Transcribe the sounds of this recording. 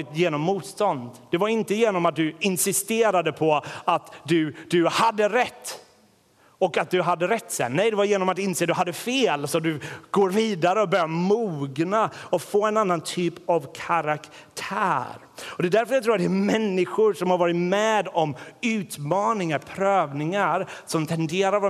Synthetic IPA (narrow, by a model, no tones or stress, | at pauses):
ɪt̪jeːnɔmːuːt̪st̪ɔnd̪d̪̥ɛvaɾɪnt̪əjeːnɔmat̪̚d̪ɵɪnsɪst̪eːɾad̪əpʰɔat̪d̪ɵd̪ɵhad̪ːəɾɛt̪ː | ɔkat̪̚d̪ɵɦad̪ːəɾɛt̪ːsɛ̰nnɛjd̪ɛvaɾjeːnɔmat̪ɪnseːd̪ɵɦad̪ːəfeːlsɔd̪ɵɡ̥oːɾviːd̪aɾəɔbœɾjaɾmuːɡnaɔfoːɛnanːant̪ʰyːpavkʰaɾak | t̪ʰæ̰ːɾ | ɔd̪ɛd̪æɾfœɾjat̪ʰɾːat̪d̪ɛmɛnːɪɧʊɾʂɔmhaɾvɑːɾɪt̪mɛːd̪ɔmʉ̟ːt̪mɑːnɪŋaɾpʰɾøːvnɪŋaɾsɔmt̪ʰɛnd̪eːɾaɾv